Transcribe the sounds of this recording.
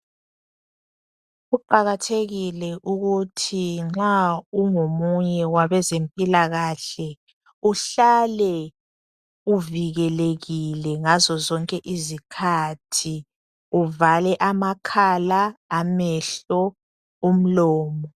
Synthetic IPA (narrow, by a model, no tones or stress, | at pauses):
ɣuǃaɣatʰeɣilɛʔuɣutʰiŋ͡ǁauŋomuɲɛwaβɛzempʼilaɣaɬɛ | uɬalɛ | uviɣɛleɣilɛŋazɔzɔŋkʼɛʔizikʰatʰi | uvalɛʔamakʰalaːmɛɬɔ | um̩lɔːmɔ